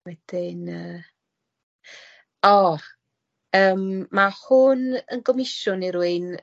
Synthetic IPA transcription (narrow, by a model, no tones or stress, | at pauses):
wɛd̥ɪnəː | ɔ | əːmːahʊnənɡɔmɪʃʊniɾwɨn